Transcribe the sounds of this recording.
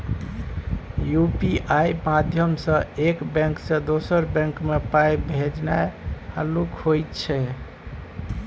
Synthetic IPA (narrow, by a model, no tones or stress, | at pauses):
jupiʔajmad̪ʱjəmsə̃ekbɛ̃ŋksə̃d̪osəɾbɛ̃ŋkmepajbʱed͡ʒnahalukhojt̪t͡ʃʰɛ